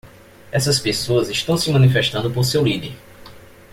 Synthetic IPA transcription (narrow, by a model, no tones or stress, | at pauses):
ɛsɐspesoɐziʃt̪ɐ̃w̃sɪmɐ̃nifeʃt̪ɐ̃nd̪ʊpoɾsewlid̪eɾ